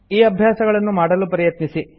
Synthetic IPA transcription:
iːɐbʱjaːsɐɡɐɭɐnːumaːɽɐlupɐɾijɐt̪nisi

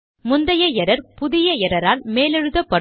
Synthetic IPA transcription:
mʊnd̪ɐjɐjɛɾɐɾpʊðɪjɐɛɾɐɾaːlmeːlɛɻɯðɐpːɐɽ

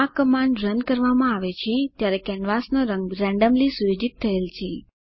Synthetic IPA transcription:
akəmãɳɖɾənkəɾʋamãaʋet͡ʃʰet̪jaɾɛkɛnʋasnoɾəŋɡɾɛ̃ɳɖəmlisuɾod͡ʒit̪ʰːəelt͡ʃʰe

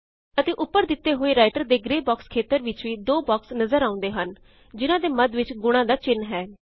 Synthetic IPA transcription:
ət̪eːʔʊpːəɾd̪ɪt̪ːeːɦoːeːɾaːɪʈəɾd̪eːɡɾeːbɔːkskʰeːt̪əɾʋɪt͡ʃʋiːd̪oːbɔːksnəzəɾaːʊ̃nd̪eːɦən | d͡ʒɪnãːd̪eːməd̪ʋɪt͡ʃɡʊɽ̃ãːd̪aːt͡ʃɪnɦɛː

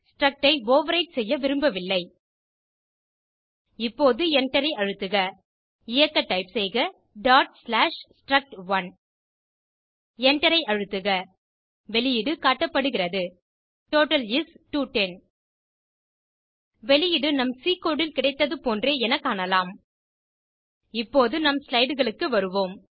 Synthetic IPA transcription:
sʈɾɐk̚ʈɐɪʋoːʋɐɾɐɪʈsɛjːɐʋɪɾɯmbɐʋɪlːɐɪ | ɪpːoːðɯɛɳʈɐɾɐɪɐɻɯt̪ːɯɣɐ | ɪjɐkːɐʈːɐɪpsɛjɣɐ | ɖaːʈ̚slaːʂsʈɾɐk̚ʈʋɐn | ɛɳʈɐɾɐɪʔɐɻɯt̪ːɯɣɐ | ʋɛlɪjɪɽɯkaːʈːɐpːɐɽɯɣɪrɐðɯ | ʈoːʈɐliːsʈuːʈːɛn | ʋɛlɪjɪɽɯnɐmsiːkoːɽɪlkɪɽɐɪt̪ːɐðɯpoːndreːɛnɐkːaːnɐlaːm | ɪpːoːðɯnɐmslɐɪɽɯɣɐɭɯkːɯʋɐɾɯʋoːm

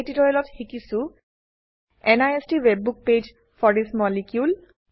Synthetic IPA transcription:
titɔɹɛlɔtxikisʊ̃ | ɛnajestiwebːuk̚ped͡ʒ | fʰɔɹismɔlikjul

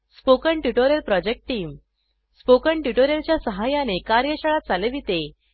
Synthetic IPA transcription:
spokəɳʈjuʈoɾjəlpɾɔd͡ʑek̚ʈʈːiːm | spokəɳʈjuʈoɾjəlt͡ɕjasəɦajanekaɾjəɕəɭat̪̚d͡zaleʋit̪e

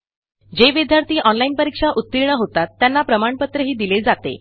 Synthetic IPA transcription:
d͡ʑeʋid̪jaɾt̪ʰiːʔɔnlainpəɾikʂaʔut̪ːiɾɳəɦot̪at̪ːjanːapɾəmaɳpət̪ɾəɦiːd̪iled͡zat̪ḛ

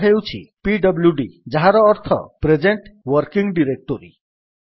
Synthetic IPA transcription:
ɦewt͡ʃʰḭpiɖɔbljuɖid͡ʒaɦaɾɔːɾt̪ʰɔ̰pɾed͡ʒeɳʈwɔɾkiŋɡɖiɾek̚ʈoɾḭ

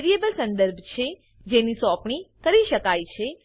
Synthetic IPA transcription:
ɾiebəlsə̃nd̪əɾbʱt͡ʃʰe | d͡ʒenisɔpɳ̃ikəɾiʃəkajt͡ʃʰe

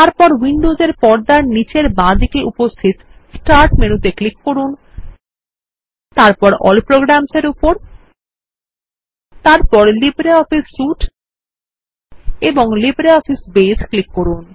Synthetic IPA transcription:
t̪aɾpɔɾwiɳɖozeɾpɔɾd̪aɾnit͡ɕeɾbãd̪ʱikeʔupost̪ʰit̪sʈaɾʈmenut̪eklikːoɾun | t̪aɾpɔɾɔ̰lpɾoɡɾamseɾupoɾ | t̪aɾpɔɾlibɾeɔfisːuʈ | eboŋlibɾeɔfisbesklikːoɾun

